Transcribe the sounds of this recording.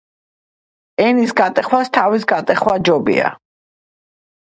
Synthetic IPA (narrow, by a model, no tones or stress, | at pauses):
ɛnisɡat̪ʼɛχwast̪ʰavisɡat̪ʼɛχwad͡ʒɔbḭa̰